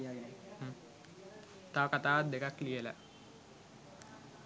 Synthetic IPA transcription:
t̪aʋəkat̪aːʋat̪̚d̪ekaklijelə̰

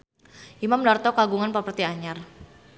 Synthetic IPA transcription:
ʔimamdart̪ɔkaɡuŋanpapərt̪iaɲar

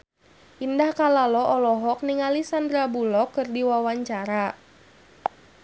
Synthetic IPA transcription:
ʔindahkalalɔʔɔlɔɦɔk̚niŋalisand̪ɾabulɔkɨrdiwawaɲt͡ʃaɾa

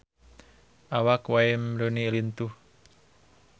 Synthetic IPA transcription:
ʔawakwaimɾonilint̪uh

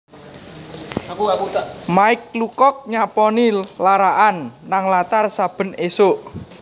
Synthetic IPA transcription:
maɪk̚lukɔk̚ɲapɔnilaɾaʔanːaŋlat̪arsab̥ə̤nesoʔ

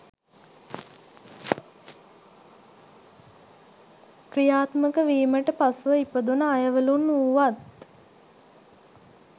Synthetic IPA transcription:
krijaːt̪məkəʋiːməʈəpasʋəipəd̪unəajəʋəlunuːʋat̪

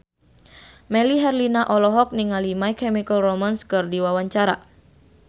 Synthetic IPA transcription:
mɛliɦɛrlinaʔɔlɔɦɔk̚niŋalimaikɛmikəlromanskɨrdiwawaɲt͡ʃaɾa

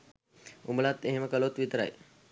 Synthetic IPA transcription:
umbəlat̪ːeɦeməkəlot̪ʋit̪əɾa̰j

